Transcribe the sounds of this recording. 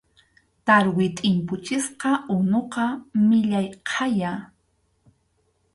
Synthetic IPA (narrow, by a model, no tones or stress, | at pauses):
t̪aɾwɪt̪ʼɪmpʊt͡ʃɪsqɑʊnoqɑmɪʎajqʰɑja